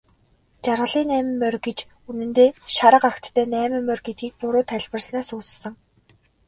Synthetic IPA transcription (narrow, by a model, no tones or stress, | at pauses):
t͡ɕarʁə̆ɮiːnæːmɘ̆mːœrɡet͡ɕ | unɘ̆nt̪eːʃaɾə̆qaxt̪ːʰæːnæːmɘ̆mːœrɡet̪̚ɡiːk̚pʊɾʊːt̪ʰæɮʲpə̆rsnaːsuːssə̆ŋ